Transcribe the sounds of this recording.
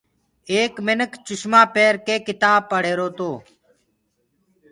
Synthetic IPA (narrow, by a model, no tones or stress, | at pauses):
eːkmɪnəkt͡ʃʊʃmaːpeːɾkeːkɪt̪aːb̚pəɽ̤eːɾoːt̪oː